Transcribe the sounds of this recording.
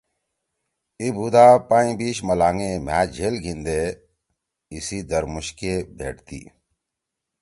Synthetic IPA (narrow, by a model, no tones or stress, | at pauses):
ibuːd̪aːpaːĩːbiːʃməlaːŋẽːmæːd͡ʒʱeːlɡʱĩnd̪eː | isiːd̪əɾmuɕkebʱḛːʈt̪ḭː